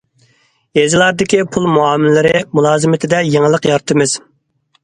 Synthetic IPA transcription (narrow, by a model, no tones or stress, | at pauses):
jezɨlˠɑɾd̪ɪkʲipʰulˠmuɑmlɪɾɪmulˠɑːzɨmɪt̪ʰɪd̪ɛjeŋəlˠəqjɑɾt̪ʰɨmɨz̥